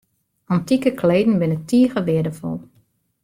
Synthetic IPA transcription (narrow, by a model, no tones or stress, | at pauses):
antikəkʰleːdn̩bɪnətʰiəɣəʋɪədəfɔ̰lˠ